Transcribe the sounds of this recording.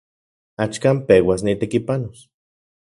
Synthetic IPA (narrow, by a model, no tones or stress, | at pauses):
at͡ʃkaːmpewas̬nit̪ekipanos